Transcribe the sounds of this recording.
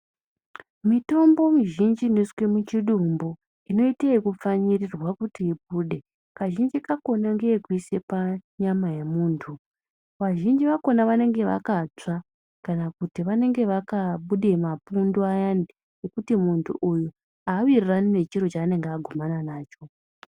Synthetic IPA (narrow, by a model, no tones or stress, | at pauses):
mito̞mbo̞miʒind͡ʒineswemut͡ʃiɗumbo̞ | ino̞iteikup͡faɲirirwakutiːp̚uɗe̞ | kaʒind͡ʒikako̞naŋɡe̞ːkuise̞paɲamaje̞muːntʰu | ʋaʒind͡ʒiʋako̞naʋane̞ŋɡe̞ʋa̰kat͡ʂa | kanakutiʋane̞ŋɡe̞ʋakaɓuɗemapundoajande | ekutimuntʰṵʔuju | aːwiriranine̞t͡ʃiɾo̞t͡ʃaːne̞ŋɡeaɡʱomananaːt͡ʃo̞